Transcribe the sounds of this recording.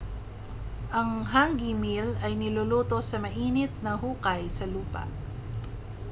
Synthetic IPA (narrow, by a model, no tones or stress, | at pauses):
ʔɐŋɦaŋɡimilɐjnɪloloːt̪o̞sɐmɐʔiːnɪt̪̚nɐɦuːkɐjsɐluːpɐ̰ʔ